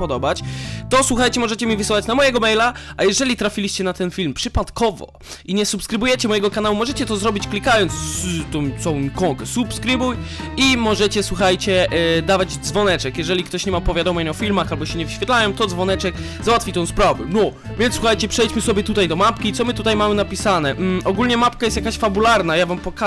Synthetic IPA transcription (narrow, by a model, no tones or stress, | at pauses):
pɔd̪ɔbat͡ɕt̪ɔswuxajt͡ɕɛmɔʐɛt͡ɕɛmʲivɘsɘwat͡ɕnamɔjɛɡɔmɛjlaʔajɛʐɛlʲit̪ɾafʲilʲiɕt͡ɕɛnat̪ɛnfʲilmpʂɘpat̪kɔvɔ̰ | iɲɛsupskɾɘbujɛt͡ɕɛmɔjɛɡɔkanawumɔʐɛt͡ɕɛt̪ɔzɾɔbʲit͡ɕklʲikajɔnt̪st̪ɔ̃w̃t̪sɔ̃w̃kɔ̃ŋkɛsupskɾɘbujimɔʐɛt͡ɕɛswuxajt͡ɕɛd̪avad͡ʑd̪zvɔnɛt͡ʂɛkjɛʐɛlʲikt̪ɔɕɲɛmapɔvʲjad̪ɔmɛɲɔfʲilmaxalbɔɕɛɲɛvɘɕfʲjɛt̪lajɔmt̪ɔd̪zvɔnɛt͡ʂɛk | zawat̪fʲit̪ɛ̃w̃spɾavɛnɔ | vʲjɛnswuxajt͡ɕɛpʂɛjt͡ɕmɘsɔbʲjɛt̪ut̪ajd̪ɔmapkʲit̪ɔmɘt̪ut̪ajmamɘnapʲisanɛɔɡulɲɛmap̚kajɛst̪jakaɕfabulaɾnajavampɔka